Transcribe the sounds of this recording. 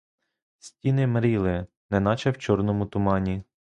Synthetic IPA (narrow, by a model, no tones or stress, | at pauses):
sʲtʲinɪmɾʲilˠɪ | nɛnɑt͡ʃɛwt͡ʃɔrnɔmʊt̪ʊmɑnʲi